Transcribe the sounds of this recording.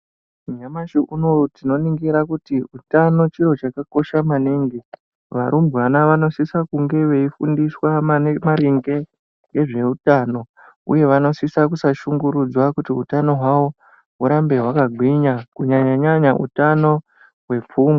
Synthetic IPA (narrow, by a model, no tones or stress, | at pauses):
uɲamaʃiʔunotino̞niŋɡiɾakutiutano̞t͡ʃiɾo̞t͡ʃakako̞ʃamaniːŋɡi | ʋaɾumbʱɣanaʋano̞sisakuŋɡe̞ʋe̞ifundiswamamaɾiŋɡe̞ | jɡe̞ʐe̞utano̞ | ṵje̞ʋano̞sisak̬usaʃuŋɡuɾud͡zwakutiutano̞ɦwawo̞ | ɦuɾambe̞ɦwakaɡʱwiɲakuɲaɲaɲaɲaʔṵtano̞ | ɦwe̞p͡fuːme